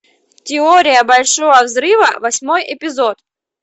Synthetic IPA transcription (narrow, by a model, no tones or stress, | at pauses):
tʲɪoɾʲɪjəbɐlʲʂovəvzɾɨvəvɐsʲmojɪpʲɪzo̞t̪